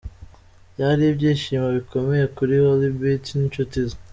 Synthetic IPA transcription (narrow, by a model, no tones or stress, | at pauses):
jaɾiibɟiːʃiːmaβiko̞me̞je̞kuɾiwolibitnint͡ʃutizḁ